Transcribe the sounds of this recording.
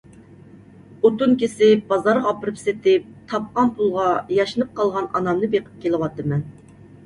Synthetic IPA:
ot̪unkʲisɪb̥ɑzɑɾʁɑːpɨɾɨpset̪ɪp̚t̪ʰɑp̚qɑnpʰulˠʁɑjɑʃɨnɨp̚qɑlˠʁɑnɑ̰nɑmnɨbeqə̥p̚kʲelˠɪwɑt̪ːɨmɛn

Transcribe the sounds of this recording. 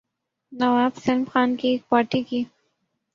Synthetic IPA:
nɐwaːbsɐlmxaːnkieːk̚paːɾʈiki

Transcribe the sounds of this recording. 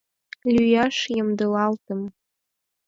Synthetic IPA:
lʲyjɑʃjɤmd̪ɤlɑlt̪ə̆m

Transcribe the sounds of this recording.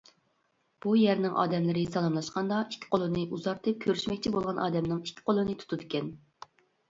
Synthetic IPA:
b̥ujɛɾnɪŋʔɑ̰ːd̪ɛmlɪɾɪsɑlˠɑmlˠɑʃqɑnd̪ɑʔikʲʰːi̥qʰolˠɨnɨʔuzɑɾt̪ʰɨp̚kʲʰøɾyʃmɛkʲt͡ʃʰibolˠʁɑnʔɑ̰ːd̪ɛmnɪŋikʲʰːɪ̥qʰolˠɨnɨt̪ʰu̥t̪ʰud̪ɪkʲɛn

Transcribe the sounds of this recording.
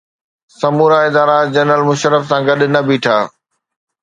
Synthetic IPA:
sɐmuːɾaɪd̪aːɾad͡ʑɐnəlmʊʃəɾəfsãɡɐɗ̆nɐbiːʈʰaː

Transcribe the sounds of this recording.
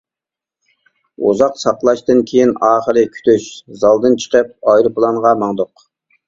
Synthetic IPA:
ṵzɑqsɑqlˠɑʃt̪ɨnkʲʰejinɑːχəɾɨkʲʰy̥t̪yʃzɑlˠd̪ɨnt͡ʃʰə̥qəp̚ɑjɾɨpʰlˠɑnʁɑmɑŋd̪ʊq

